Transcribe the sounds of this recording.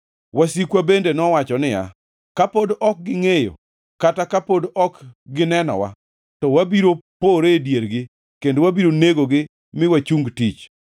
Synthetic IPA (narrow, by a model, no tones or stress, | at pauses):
wasikwabendenɔwat͡ʃɔnɪja̰ | kapodɔk̚ɡɪŋejo̰ | katakapodɔkɡɪnɛnɔ̰wa̰ | tɔwabiɾopoɾedjeɾɡɪ | kendowabiɾoneɡoɡɪ | mɪwat͡ʃuŋɡtit͡ʃ